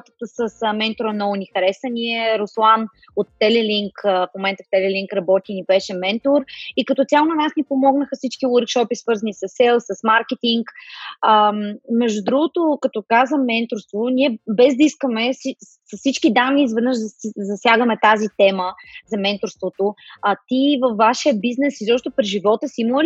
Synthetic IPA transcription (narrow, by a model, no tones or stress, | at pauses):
t̪ə̥t̪əsəsmɛnt̪oɾənɔonixɐɾɛsənʲiɛɾoslˠan | ot̪ːɛlɛliŋkfmomɛnt̪əft̪ɛlɛlʲiŋkɾɐbɔt̪ʲinibɛʃɛmɛnt̪oɾikɐt̪ɔt̪ʲjalˠonɐnasnʲipomɔɡnəxəfsit͡ʃkiwəɾkʃɔpisvɤɾzənisɐsɛlˠsəsmaɾkɛt̪iŋkəmmɛʒd̪ud̪ɾuɡʊt̪okɐt̪ɔkazəmɛnt̪oɾst̪vonʲiɛbɛzd̪ɐiskəmɛsi | sɐssit͡ʃkid̪anːiːzvɛd̪nəʒd̪ɐzɐsʲjaɡəmɛt̪azit̪ɛməzɐmɛnt̪oɾst̪vot̪oat̪ivɐfːaʃiəbiznɛsizɔpʃt̪opɾiʒivɔt̪əsiimol